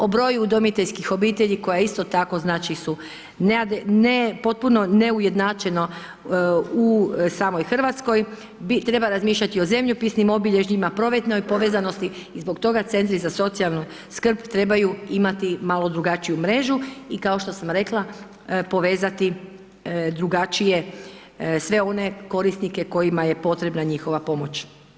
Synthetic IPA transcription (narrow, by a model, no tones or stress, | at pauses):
o̞bɾo̞jud̪omit̪eʎʲskixo̞biːt̪eʎiko̞jaist̪o̞t̪ako̞znaːt͡ʃisu | ned̪nepo̞t̪̚puno̞neuje̞d̪nat͡ʃe̞no̞ | usaːmo̞jxr̩ʋat̪sko̞j | bit̪ɾe̞baɾazmiːʃʎat̪io̞ze̞mʎupisnimo̞biʎe̞ʒɲimapɾo̞ʋet̪no̞jpo̞ʋezano̞st̪iːzbo̞kt̪o̞ɡat̪se̞nt̪ɾizaso̞t̪sialnu | skr̩pt̪ɾe̞bajuimat̪imalo̞d̪ɾuɡat͡ʃijumɾe̞ːʒuikao̞ʃt̪o̞samɾe̞klˠa | po̞ʋe̞ːzat̪i | d̪ɾuɡat͡ʃije̞ | sʋe̞o̞ne̞ko̞ɾisnike̞ko̞jimaje̞po̞t̪ɾebnaɲixo̞ʋapo̞mo̞t͡ʃ